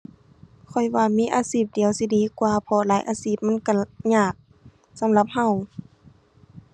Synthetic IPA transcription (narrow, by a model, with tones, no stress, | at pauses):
kʰɔ˨˩jwaː˧miː˧˥˨ʔaː˧˦siː˧˩p̚di˨əwsi˧˦diː˨˦kwaː˧˦pʰɔ˧laː˨˦jʔaː˧˦siː˧˩p̚ma˧˥˨nka˧˩ɲaː˧˩k̚ | sa˨˦mla˧˦p̚ha˧˩w